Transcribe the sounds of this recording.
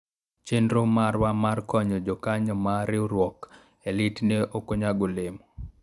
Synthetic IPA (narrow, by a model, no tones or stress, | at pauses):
t͡ʃendɾomaɾwamarkɔɲɔd͡ʒɔkaɲɔmaɾɪoɾwɔk | elitneʔokoɲaɡolemɔ